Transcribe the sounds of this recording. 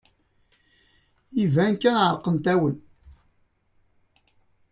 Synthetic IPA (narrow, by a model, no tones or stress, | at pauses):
ivænkːænʕəɾˤqənt̪æwən